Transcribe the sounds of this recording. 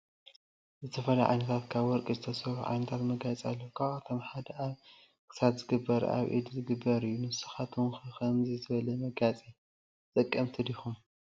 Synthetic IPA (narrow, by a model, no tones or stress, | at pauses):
zɨt̪ʰɐfɐlajʕa̰jnɐt̪ʰat̪kʰaβwɔɾkʼizɨt̪ʰɐsɐuʕa̰jnɐt̪ʰat̪mɐɡat͡sʼialːɐwkʰaβat̪ʰo̞mħad̪ɐaβ | kʰɨ̥satzɨɡɨbːɐɾa̰βʔḭd̪zɨɡɨbːɐɾɨjːunɨsɨ̥xat̪ʰumkkʰɐmzizɨβɐlɐmɐɡat͡sʼi | t̪ʼɨkʼːɐmt̪ʰɨd̪ixum